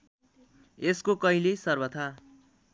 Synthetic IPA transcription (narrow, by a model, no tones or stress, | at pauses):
eskokʌilesʌrbʌt̪ʰa